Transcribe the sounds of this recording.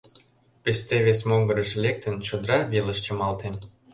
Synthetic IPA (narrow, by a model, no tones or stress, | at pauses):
pest̪eβes̬moŋɡəɾə̆ʃlʲek̚t̪ə̆nt͡ɕod̪ɾɑβelə̆ʃt͡ɕə̆mɑlt̪en